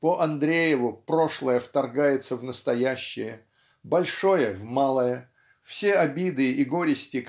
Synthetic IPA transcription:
pəʔɐnd̪ɾʲejɪvʊpɾo̞ʂlˠəjəft̪ɐrɡajɪt̪səvnəst̪ɐjæɕːɪjə | bɐlʲʂo̞jəvmalˠəjə | fsʲeɐbʲid̪ɨiɡo̞ɾʲɪsʲtʲɪk

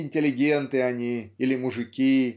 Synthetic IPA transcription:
ɪnʲtʲɪlʲɪɡʲent̪ɨɐnʲiilʲɪmʊʐɨkʲi

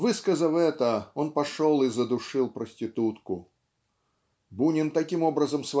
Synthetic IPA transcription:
vɨskəzəlɛt̪əɔnpaʂɔlˠizəd̪ʊʂɨlˠpɾəsʲtʲit̪ut̪kʊ | bunʲɪnt̪ɐkʲimɔbɾəzəmsva

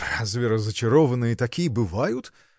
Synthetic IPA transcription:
pɾazʲvʲɪɾəzət͡ʃɪɾɔvənɨjət̪ɐkʲijəbɨvajʊt̪

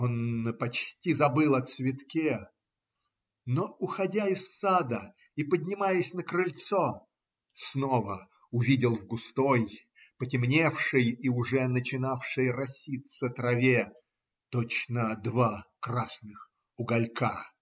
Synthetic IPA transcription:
o̞npɐt͡ɕtʲizɐbɨlˠɐt̪svʲɪt̪kʲe | noʊxɐdʲaɪsːad̪ə | ipədʲnʲɪmajəsʲnəkɾɨlʲt̪so | snovə | ʊvʲidʲɪlˠvɡʊst̪oj | pətʲɪmnʲefʂɨjiʊʐɛnət͡ɕɪnafʂɨjrɐsʲit̪sət̪ɾɐvʲe | t̪ot͡ɕnəd̪vakrasnɨx | ʊɡɐlʲka

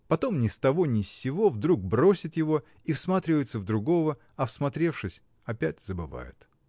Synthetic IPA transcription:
pɐt̪o̞mnʲɪst̪ɐvo̞nʲɪsʲːɪvo̞vd̪ɾuɡ̚bɾo̞sʲɪt̪jɪvo̞ | ifsmat̪ɾʲɪvəjɪt̪səvd̪ɾʊɡo̞və | ɐfsmɐt̪ɾʲe̞fʂɨsʲ | ɐpʲætʲzəbɨva̰jʊ̰t̪

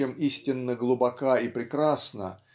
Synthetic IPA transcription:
emisʲtʲɪnːəɡlˠʊbɐkaipɾʲɪkɾasnə̰

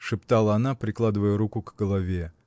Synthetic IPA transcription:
ʂɨpt̪alˠəɐnapɾʲɪklˠad̪ɨvəjəɾukʊɡɡəlˠɐvʲe

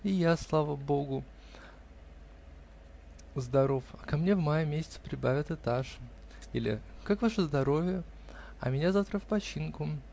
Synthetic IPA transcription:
ijaslˠavəbo̞ɡʊ | zd̪ɐɾo̞fɐkɐmnʲevmajəmʲesʲɪt̪sə̥pɾʲɪbavʲɪt̪ɨt̪aʂ | ilʲɪ̰kakvaʂəzd̪ɐɾo̞vʲɪjə | ɐ̰mʲɪnʲazaft̪ɾəfpɐt͡ɕinkʊ

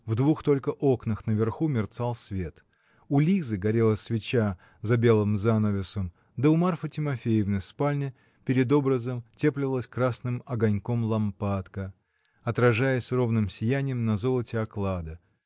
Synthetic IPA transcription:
vd̪vuxt̪o̞lʲkəʔo̞knəxnəvʲɪrxumʲɪrt̪salˠsʲvʲet̪ | ʊlʲizɨɡɐɾʲelˠəsʲvʲɪt͡ɕa | zɐbʲe̞lˠɨmzanəvʲɪsəm | d̪əʊmarfətʲɪmɐfʲejɪvnɨspalʲnʲɪ | pʲɪɾʲɪd̪o̞bɾəzəmtʲeplʲɪvəlˠəsʲkɾasnɨmɐɡɐnʲko̞mlˠɐmpat̪kə | ɐt̪ɾɐʐajɪsʲro̞vnɨmsʲɪjænʲɪjəmnɐzo̞lˠətʲɪɐklˠad̪ə

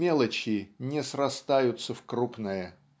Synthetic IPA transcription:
elˠət͡ɕɪnʲɪsrɐst̪ajʊt̪səfkɾupnəjə

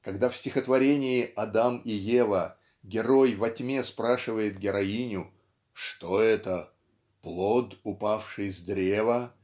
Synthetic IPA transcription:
kɐɡd̪afsʲtʲɪxət̪vɐɾʲenʲɪɪɐd̪amɪjevə | ɡʲɪɾo̞jvɐtʲmʲe̞spɾaʂɨvəjɪt̪̚ɡʲɪɾɐinʲʊ | ʂt̪oɛt̪ə | plˠot̪ʊpafʂɨjzd̪ɾʲevə

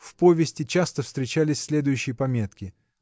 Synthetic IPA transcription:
fpo̞vʲɪsʲtʲɪt͡ɕast̪əfst̪ɾʲɪt͡ɕælʲɪsʲsʲlʲe̞d̪ʊjʉɕːɪjəpɐmʲe̞t̪kʲɪ

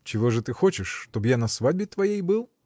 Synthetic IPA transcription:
t͡ʃɪɣɔʐɛt̪ɪxɔt͡ʃɪʂt̪ɔbjanɐsʋad̪ʲbʲit̪ʋɐjɛjbɨlˠ

